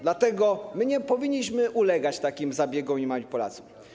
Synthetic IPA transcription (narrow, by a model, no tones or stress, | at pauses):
d̪lat̪ɛɡɔmɘɲɛpɔvʲiɲːiɕmɘʔulɛɡat͡ɕt̪akʲimzabʲjɛɡɔ̃mimaipɔla̰t̪sɔ̥m